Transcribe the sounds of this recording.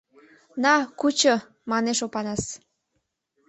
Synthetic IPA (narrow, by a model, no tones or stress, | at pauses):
nɑkut͡ɕo | mɑneʃopɑnɑs